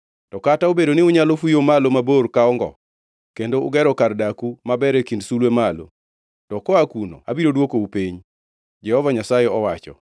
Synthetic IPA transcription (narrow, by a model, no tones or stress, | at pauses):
tɔkataobedonɪʊɲalofujomalomaborkaɔŋɡɔ̰ | kendoʊ̰ɡɛɾɔkardakumabɛɾɛkindsulwemalo̰ | tɔkɔakuno̰abiɾodwokoupeɲ | d͡ʒɛhɔvaɲasajeɔwat͡ʃɔ̰